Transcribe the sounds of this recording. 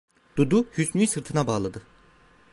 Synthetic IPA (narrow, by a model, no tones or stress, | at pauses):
d̪̥ud̪uhysnyjsɯɾt̪ʰɯnabaːlˠad̪ɯ